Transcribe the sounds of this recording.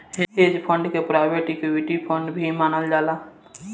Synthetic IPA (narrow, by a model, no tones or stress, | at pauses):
ɦeːd͡ʒpʰə̃ɳɖkepɾaːɪbeːʈekːwɪʈipʰə̃ɳɖbʱimaːnəld͡ʒaːlaː